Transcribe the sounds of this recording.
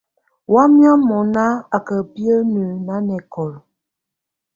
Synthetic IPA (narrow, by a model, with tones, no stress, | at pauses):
wa˦mja˦mɔ˨na˦a˨kə˨pi˦ə˦nə˨na˦nɛ˨kɔ˨l